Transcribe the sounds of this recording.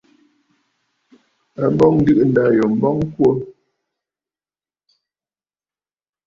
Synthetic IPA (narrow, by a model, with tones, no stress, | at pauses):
a˦bɔ˦ŋ̩˦ɡɨ˦ʔn̩˨da˨jɔ˨m̩˨˦bɔ˦ŋ˦kwo˦